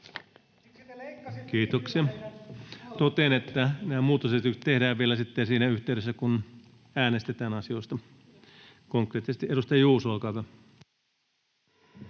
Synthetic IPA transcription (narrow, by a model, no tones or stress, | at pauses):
kiːt̪oksiɑ | t̪ot̪eːnet̪ːænæːmuːt̪ːɑsesit̪ykst̪ehdæːʋʋielæsit̪ːesiːnæyht̪eyɾesːækun | æːnest̪et̪æːnɑsioist̪ɑ | koŋkreːt̪ːˑisest̪iʔeɾust̪ɑjjuːsuɑlkɑʋɑ